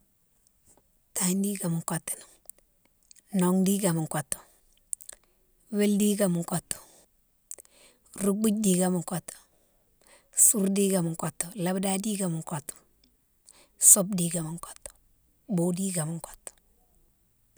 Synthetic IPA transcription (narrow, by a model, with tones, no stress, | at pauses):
ta˦ndi˦ɡa˨m˨ŋko˨tni̥˨ŋ | no˨ŋdi˦ɡa˨mu˨ŋko˨tːo̥˨ | we˦ldi˦ɡa˨mu˨ŋko˨tːo̥˨ | ɾu˦ɡ͡bu˦ɟ̚di˨ɡa˨mu˨ŋko˨to̥˨ | su˦ɾdi˦ɡa˨m˨ŋko˨tːo˨la˨˦bda˦di˦ɡa˨mu˨ŋko˨to̥˨ | so˦b̚di˦ɡa˨mi˨ŋko̥˨tːo̥˨ | bo˦di˦ɡa˨mi˨ŋko̥˨to̥˨